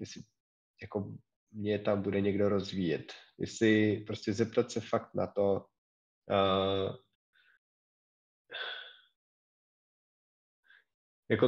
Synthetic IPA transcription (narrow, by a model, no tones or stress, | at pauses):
jɛsɪ | jako̞ | mɲɛt̪ambudɛɲɛɡdo̞ɾo̞zvijɛt̪jɛ̰sɪpɾoscɛzɛp̚t̪at̪sɛfakt̪na̰t̪o̞ | ə | jako